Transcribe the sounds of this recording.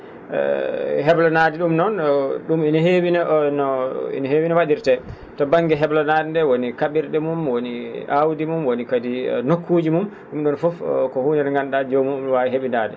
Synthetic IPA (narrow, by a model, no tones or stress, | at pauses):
ɛ̰ɦɛblɔnadiɗumnɔnɗuminahewinanɔḭnaɦewinawaɗiɾtɛ | tɔbaŋɡɛɦɛblɔnadndɛwonikaɓiɾɗɛmumwoniawdimumwonikadḭnokʰːud͡ʒimum | ɗumɗɔnfɔfkɔhuːnɛɾŋɡanɗad͡ʒomuwaɦeɓinadɛ